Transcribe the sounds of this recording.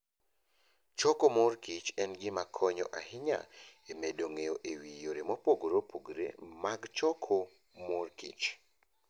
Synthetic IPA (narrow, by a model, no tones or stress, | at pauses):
t͡ʃokomʊrkit͡ʃɛnɡɪmakʰɔɲɔ̰ʔahɪɲa̰emedoŋejoʔewijoɾemopoɡɾopʰuɡɾḛmaɡt͡ʃɔkʰo | morkḭt͡ʃ